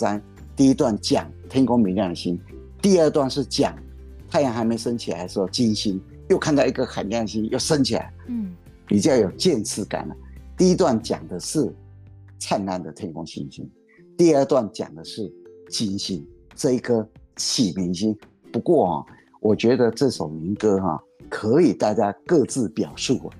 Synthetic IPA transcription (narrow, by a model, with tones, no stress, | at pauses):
sa˦n | t̪i˥˩i˦˥t̪wa˥˩nt͡ɕjɑ̰˨˩ŋt̪ʰi˥ŋkʊ˥ŋmi˧˥nljɑ˥˩ŋd̪ə˩ɕi˥n | t̪i˥˧ə˞˥˧t̪wa˥˧nʂɻ̩˥˩t͡ɕjɑ̰˨˩˦ŋ | t̪ʰa˥˧jŋxa˧˥me˧˥ɪʂə˥nt͡ɕʰi˨la̰˧˥ɪʂ̩˥o˥˧˩t͡ɕi˥nɕi˥n | jo˥˧ʊkʰa˥˧nt̪ɑ˥˩ʊi˧˥ɡə˨˩xa˨˩˦nljɑ˥˩ŋd̪ə˩ɕi˦˥njo˥˩ʊʂə˦nt͡ɕʰi˨˩la̰˧˦ɪ | pi˨˩t͡ɕjɑ˥˩ʊjo˨˩ʊt͡ɕjɛ˥˧nt͡sʰɹ̩˥˩ka̰˨˩˦nə˩t̪i˥˧i˦˥t̪wa˥˩nt͡ɕjɑ̰˨˩ŋd̪ə˦ʂɻ̩˥˩ | t͡sʰa˥˧nna˥˩nd̪ə˨t̪ʰe˥˩kʊ˥ŋɕḭ˥nɕḭ˥n | t̪i˥˧ə˞˥˧t̪wa˥˩nt͡ɕjɑ̰˨˩ŋd̪ə˦ʂɻ̩˥˩t͡ɕi˥nɕi˧˥n | ʈ͡ʂɤ˥˧i˥˩kʰɤ˦t͡ɕʰi˨˩mi˧˥ŋɕi˥n | pu˧˥kwɔ˥˩xɑ̰˨˩ | wʔɔ˨˩t͡ɕɥɛ˧˥d̪ə˧ʈ͡ʂɤ˥˩ʂo˨˩ʊmi˧˥ŋkɤ˥xɑ̰˧ | kʰɤ˧˥i˨˩t̪a˥˩t͡ɕja˥kɤ˥˧t͡sɹ̩˥˩pjɑ˨˩ʊʂu˥˩ɐ̰˩